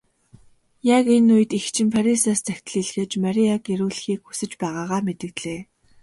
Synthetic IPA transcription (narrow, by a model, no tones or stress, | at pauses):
jakenuj̆t̪ixt͡ɕʰɪ̆mpʰaɾisaːst͡sʰæxʲt̪ɮiːɮxeːt͡ɕmaɾʲiaɡeɾuːɮxiːkxu̥sɘ̆t͡ɕpæːʁaːʁaːmet̪ɘ̆k̪ɮeː